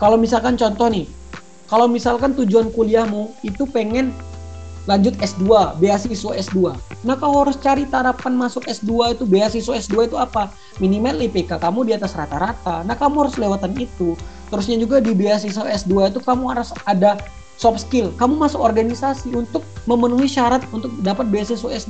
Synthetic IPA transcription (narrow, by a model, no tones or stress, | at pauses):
kalawmisalkant͡ʃɔnt̪ɔhnɪh | kalawmisalkant̪ud͡ʒuankuliahmuit̪upeŋɛn | laɲd͡ʒʊt̪ɛsduabeasisoɛsduanahkamuɦaɾʊst͡ʃaɾit̪aɾapanmasʊkɛsduait̪ubeasisoɛsduait̪uapa | minimalipekakamudiat̪asrat̪aɾat̪anahkamuɦaɾʊslewat̪anit̪ut̪əɾusɲad͡ʒuɡadibeasisoɛsduait̪ukamuaɾasada | sɔp̚skɪlkamumasʊkɔrɡanisasiunt̪ʊk̚məmənuiʃaɾat̪̚unt̪ʊk̚dapat̪̚beasisoɛs